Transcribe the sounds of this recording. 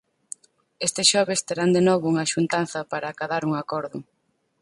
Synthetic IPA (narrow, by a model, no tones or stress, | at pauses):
est̪ɪsʃɔβest̪eɾand̪enɔβʊuŋɐʃunt̪an̟θɐpaɾaːkaðaɾuŋakɔɾðʊ̰